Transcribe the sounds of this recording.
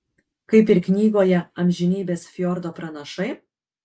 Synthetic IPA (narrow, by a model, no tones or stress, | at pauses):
kɐɪpɪɾknʲiːɡoːjɛɐmʲʒʲɪnʲiːbʲeːsfʲjɔɾd̪oːpɾɐnɐʃɐɪ